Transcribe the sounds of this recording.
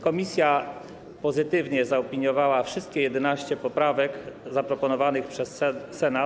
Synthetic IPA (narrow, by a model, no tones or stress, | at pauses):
kɔmʲisʲja | pɔzɘt̪ɘvɲɛzaɔpʲiɲjɔvawafʂɘst̪̚kʲɛjɛd̪ɛnaɕt͡ɕɛpɔpɾavɛkzapɾɔpɔnɔvanɘxpʂɛsː | ɛna